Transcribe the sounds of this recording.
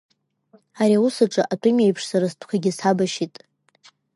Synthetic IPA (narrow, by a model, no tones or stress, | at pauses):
aɾiausɨʈ͡ʂʼaʔatʷʼɨmejpʰʂsaɾastʷʰkʷʰaɡʲɪsabaʃitʼ